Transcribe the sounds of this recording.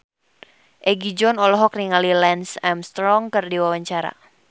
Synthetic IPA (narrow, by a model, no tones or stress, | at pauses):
ʔɛɡid͡ʒɔnɔlɔɦɔkriŋalilɛnsɛmst̪ɾɔŋkərdiwawaɲt͡ʃaɾa̰